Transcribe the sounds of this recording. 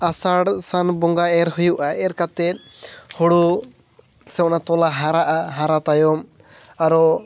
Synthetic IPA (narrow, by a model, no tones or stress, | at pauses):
asaɽsanbɔŋɡaɛɾɦujuʔaɛɾkat̪ɛt̪̚ˀ | huɽu | sɛwnat̪ɔlaɦaɾaʔaɦaɾat̪ajɔm | aɾɔ